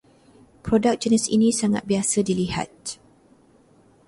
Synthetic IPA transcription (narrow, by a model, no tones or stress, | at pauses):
pɾodak̚d͡ʒənɛsḭnĩsaŋa̰t̪̚biasədiliha̰t̪̚